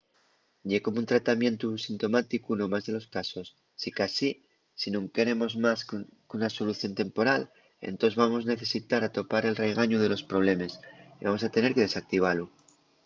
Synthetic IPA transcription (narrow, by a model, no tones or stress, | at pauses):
ɟ͡ʝeko̞munt̪ɾat̪amje̞nt̪usint̪o̞mat̪ikuno̞mazðe̞lo̞skaso̞sː | ikasi | sinũŋke̞ɾe̞mo̞zmaskunaso̞luθjo̞nt̪e̞mpo̞ɾal | ḛnt̪o̞zβamo̞zne̞θe̞sit̪aɾat̪o̞paɾe̞lre̞ɣ̞aɲuð̞e̞lo̞spɾo̞β̞le̞me̞siβamo̞sat̪e̞ne̞ɾke̞ð̞e̞sak̚t̪iβ̞alu